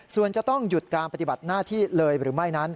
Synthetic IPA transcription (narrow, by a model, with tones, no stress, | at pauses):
su˨˩ənt͡ɕa˨˩t̪ɔ˥˩ŋju˨˩t̪̚kaː˧npa˧t̪i˨˩ba˨˩t̪̚naː˥˩t̪ʰiː˥˩lɤː˧jɾɯː˩˦ma˥˩jna˦˥n